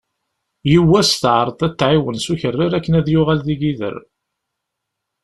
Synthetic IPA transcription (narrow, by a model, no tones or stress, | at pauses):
jiwːæsθʕɾˤθˤæt͡s̪ːʕiwənsuçərːɪɾækːənæðjʊʁælðiɡiðə̰ɾ